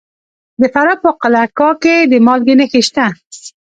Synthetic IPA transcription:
d̪əfaɾɑpəqalakɑked̪əmɑlɡɪnexeʃt̪a

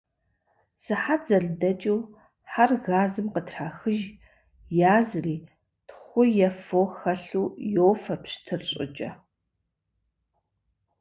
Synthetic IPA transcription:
sɨħad͡zɐɮdɐt͡ʃʼiw | ħarɣaːzɨmqətʰraːxɨʒ | jaːzɨriː | tχʷʊjɛfoxɐɬuːjoːwfɐpɕtʰɨrɕʼɪ̰t͡ʃʼɐ

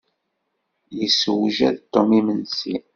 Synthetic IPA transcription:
jəswʒæðt̪ːomimənsi

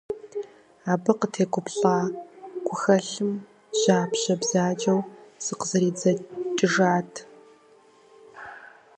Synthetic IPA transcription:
aːbɐqətʰeːɡʷʊpɬaːɡʷʊxɐɬɨm | ʑaːpɕɐbzaːd͡ʒʼɐwz̥ɨqəzɐɾiːd͡zɐt͡ʃʼɪʐaːtʰ

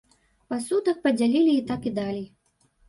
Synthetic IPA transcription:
pasut̪ɐk̚pɐd͡zʲalʲilʲiːt̪akid̪alʲij

